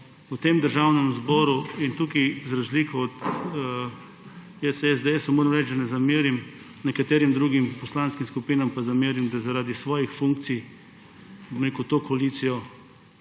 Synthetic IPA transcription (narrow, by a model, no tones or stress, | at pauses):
ut̪eːmd̪əɾʒawnɛmzbɔːɾuint̪uːkizɾazliːkɔɔt̪ | ɛsɛzd̪eesɔmoːɾɐmɾɛt͡ʃd̪anɛzamiːɾim | nɛkat̪eːɾimd̪ɾuːɡimpɔslanskimskupiːnampazamiːɾimd̪azaɾaːd̪isʋɔːjixfũŋk̚t̪sij | bomɾeːkut̪oːkɔaliːt̪sijɔ